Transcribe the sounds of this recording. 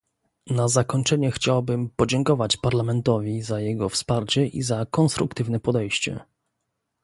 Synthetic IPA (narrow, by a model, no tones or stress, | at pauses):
nazakɔɲt͡ʂɛɲɛxt͡ɕawabɘmpɔd͡ʑɛŋkɔvat͡ɕpaɾlamɛnt̪ɔvʲizajɛɡɔfspaɾt͡ɕɛʔḭzakɔnst̪ɾukt̪ɘvnɛpɔd̪ɛjɕt͡ɕɛ̰